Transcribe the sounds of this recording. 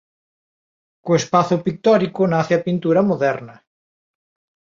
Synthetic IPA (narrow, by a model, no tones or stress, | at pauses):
koespaθʊpik̚t̪ɔɾikʊnaθeapint̪uɾɐmoðɛɾnɐ